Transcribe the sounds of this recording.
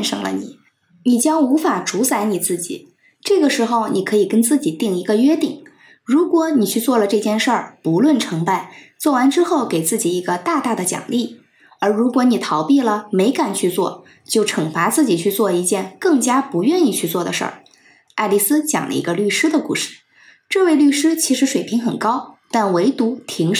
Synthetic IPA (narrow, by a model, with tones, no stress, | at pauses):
ɛ˥˧nʂɤ̰˧˥˩ŋlə̰˧nḭ˨˩˦ | ni˨˩t͡ɕjɑ˥ŋu˧˥fa˨˩ʈ͡ʂu˧˥t͡sa˧˥ɪni˨˩t͡sɹ̩˥˩t͡ɕḭ˨˩˦ | ʈ͡ʂɤ˥˩ɡə˩ʂɻ̩˧˥xo˥˧ʊni˨˩kʰɤ˧˥i˨˩kə˥nt͡sɹ̩˥˩t͡ɕi˨˩t̪i˥˩ŋi˧˥ɡə˧ɥɛ˥t̪i˨˩˦ŋ | ɻu˧˥kwɔ˧˩ni˨˩t͡ɕʰy˥˧t͡swɔ˥˩lə˩ʈ͡ʂɤ˥˧t͡ɕjɛ˥˧nʂə˞˥˩pu˧˥lwə˥˩nʈ͡ʂʰɤ˧˥ŋpa˧˩ɪt͡swɔ˥˩wa˧˥nʈ͡ʂɻ̩˥xo˥˩ʊke˨˩ɪt͡sɹ̩˥˩t͡ɕi˨˩i˧˥ɡə˧t̪a˥˧t̪a˥˩d̪ə˩t͡ɕjɑ̰˨˩ŋli˥˩ | ə˞˧˥ɻu˧˥kwɔ˧˥ni˨˩t̪ʰɑ˧˥ʊpi˥˩lə˩me˧˥ɪka˨˩nt͡ɕʰy˥˧t͡swɔ̰˥˩ | t͡ɕjo˥˩ʊʈ͡ʂʰɤ˨˩ŋfa˧˥t͡sɹ̩˥˩t͡ɕi˨˩t͡ɕʰy˥˧t͡swɔ˥˧i˧˥t͡ɕjɛ˥˧nkɤ˥˩ŋt͡ɕja˥pu˧˥ɥɛ˥˧ni˥˧t͡ɕʰy˥˧t͡swɔ˥˩d̪ə̰˩ʂə̰˞˥˩ | a˥˧ɪli˥˩sɹ̩˥t͡ɕjɑ̰˨˩ŋlʔə̰˦ḭ˧˥ɡə˧ly˥˩ʂɻ̩˥d̪ə˨kṵ˥˧ʂɻ̩˥˩ | ʈ͡ʂɤ˥˧we˥˧ɪly˥˩ʂɻ̩˥t͡ɕʰi˧˥ʂɻ̩˧˥ʂwe˨˩ɪpʰi˧˥ŋxə˨˩nkɑ˥ʊt̪a˥˩nwe˧˥ɪt̪u˧˥t̪ʰi˧˥ŋʂ